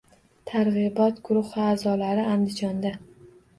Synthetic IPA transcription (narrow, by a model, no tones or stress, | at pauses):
t̪ʰaɾʁɨbɒt̪ɡʊɾʊhvaːzɒlaɾɪand̪ɪd͡ʒɒnd̪a